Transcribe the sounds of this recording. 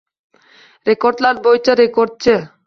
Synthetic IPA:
ɾekoɾd̪lad̪̚bojt͡ɕeɾekoɾd̪̚t͡ɕʰe

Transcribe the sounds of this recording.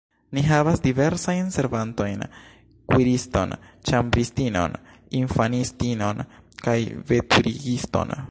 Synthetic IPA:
niɦavasdive̞ɾsajnse̞ɾvanto̞jn | kwiɾisto̞̰nt͡ʃambɾistino̞̰n | infanistino̞̰nkajve̞tuɾiɡisto̞̰n

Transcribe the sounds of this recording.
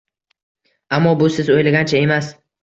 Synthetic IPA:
amːɒbʊsɪzojlaɡʲant͡ʃʰae̞mas

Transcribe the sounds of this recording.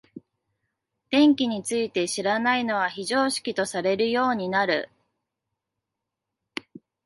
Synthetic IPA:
d̪̥ẽ̞ŋkʲiɲ̟it͡sɨit̪e̞ɕiɾanaino̞βaçiʑo̞ːɕi̥kʲit̪o̞saɾe̞ɾɯ̟jo̞ːɲ̟inaɾɯ̟̰

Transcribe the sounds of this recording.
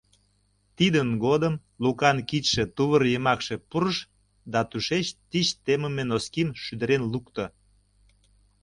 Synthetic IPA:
t̪id̪ənɡod̪əm | lukɑnkit̪ʲʃet̪uβərjəmɑkʃe̽puɾəʃ | d̪ɑt̪uʃet͡ɕt̪it͡ɕt̪eməmenoskimʃyd̪əɾenlukt̪o

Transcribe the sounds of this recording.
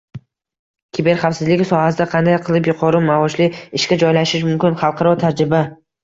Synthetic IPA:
kʲʰɪbeɾχafsɪzlɪɡʲɪsɒhasɪd̪aqʰɑnd̪ajqʰɨlˠɪpjʊqʰɒɾɪmaɒʃlɪɪʃkʲad͡ʒɒjlaʃɪʃmʊmkʲɪnχɑlˠqʰɑɾɒt̪ʰaɾd͡ʒɾɪba

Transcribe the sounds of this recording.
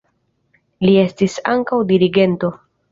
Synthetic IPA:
lie̞stisa̰ŋkawdiɾiɡe̞nto̞

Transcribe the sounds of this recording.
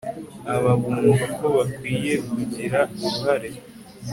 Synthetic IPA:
aβaβunuzuko̞βakwiːje̞kuɟiɾakuɾuɦaɾe̞

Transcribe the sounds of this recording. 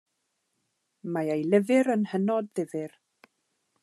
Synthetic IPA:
majejlˠɪvɪɾənhənɔd̚ðɪvɪr

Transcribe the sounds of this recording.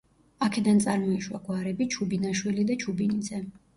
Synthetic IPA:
akʰɛd̪ant̪sʼaɾmɔiʃwa̰ɡwaɾɛbit͡ʃʰubinaʃwilid̪at͡ʃʰubinizɛ

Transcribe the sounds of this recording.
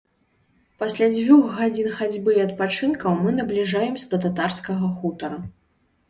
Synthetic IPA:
pasʲlʲad͡zʲvʲuɣɣad͡zʲinxad͡zʲbɨɐt̪̚pat͡ʂɨnkɐwmɨnɐblʲiʐajɛmsʲɐd̪ɐt̪at̪arskɐɣɐxut̪ɐɾɐ

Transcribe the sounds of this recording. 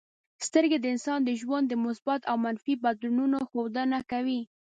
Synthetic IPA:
st̪əɾɡed̪əɪnsɑnd̪əʒwand̪ːəmʊsbat̪awmanfibad̪lununoxowd̪ənakawi

